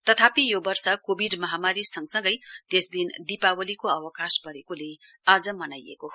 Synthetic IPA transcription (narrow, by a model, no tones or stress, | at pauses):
t̪ʌt̪ʰapijobʌrsʌkobʱiɖmʌɦamaɾisʌŋɡsʌ̃ŋɡʌjt̪esd̪ind̪ipawʌlikoʌwʌkaspʌɾekole | ad͡zʌmʌnajḛko